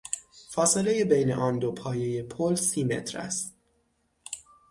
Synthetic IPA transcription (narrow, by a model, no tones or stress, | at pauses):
fɒːse̞le̞jebejnḛʔɒːnd̪opʰɒːje̞jepʰolsiːme̞̰t̪ʰɾæ̰st̪̚